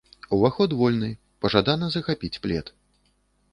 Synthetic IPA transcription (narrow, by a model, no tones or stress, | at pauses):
uvaxɔd̪vɔlʲnɨ | pɐʐad̪anɐzɐxapʲit͡sʲplʲɛ̰t̪